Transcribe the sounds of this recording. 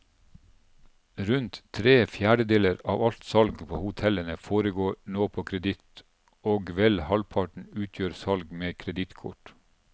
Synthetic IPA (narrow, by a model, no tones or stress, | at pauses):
ɾʉnt̪t̪ʰːɾeːfjæːɖəd̪eːləɾɑ̰ːʋɑlt̪sɑlɡpʰoːhʊt̪ʰɛlənəfoːɾəɡoːɳoːpʰoːkʰɾɛd̪ɪt̪ | oːɡʋɛlhɑlpʰɑʈɳ̩ʉːt̪ʰjøːɾsɑlɡmeːkʰɾɛd̪ɪt̪kʰʊ̰ʈ